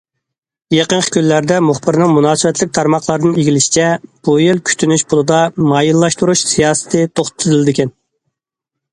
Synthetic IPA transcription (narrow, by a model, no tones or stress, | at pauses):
jeqənqʰə̥kʲylːæɾd̪ɛmuχbɨɾnɨŋmunɑːsɨvɛt̪ʰlɪk̚ʲt̪ʰɑɾmɑχlˠɑɾɨd̪ɨniɡʲilɪʃi̥t͡ʃʰɛb̥ujilkʲʰy̥t̪ʰynyʃbolˠɨd̪ɑmɑjilːˠɑʃt̪uɾuʃsijɑːsɨ̥t̪ʰɨt̪ʰoχt̪t̪ʰːɨzɨld̪ɪkʲʰɛn